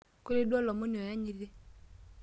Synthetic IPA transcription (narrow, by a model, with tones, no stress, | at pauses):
ko˦ɾe˦dɔ˦lɔ˨mo˦ni˨ɔ˨ja˦ɲi˨ɾe˦